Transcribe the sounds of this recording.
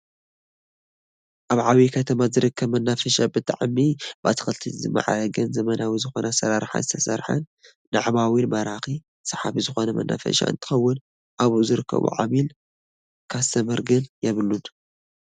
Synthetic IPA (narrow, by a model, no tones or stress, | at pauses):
ʔaβʕaβikʰɐt̪ʰɐmazɨɾɨkʰːɐβmɐnːafɐʃabɨt̪ʰʼaʕmibat̪ʰɨ̥xɐlt̪ʰizɨmːa̰ʕa̰ɾɐɡɨnzɐmɐnawizɨxo̞nasɐɾaɾħa̰zɨt̪ʰɐsɐ̰ɾħɐ̰n | daʕmawinmɐɾaxi | sɐħaβizɨxo̞nɐmɐ̰nːa̰fɐ̰ʃa̰ʔɨ̰nt̪ʰɨ̥xɐwːʊn | ʔaβuzɨɾɨkʰːɐ̰βṵʕa̰βil | kʰazt̪ʰɐmɐɾɡɨnjɛβɨlːun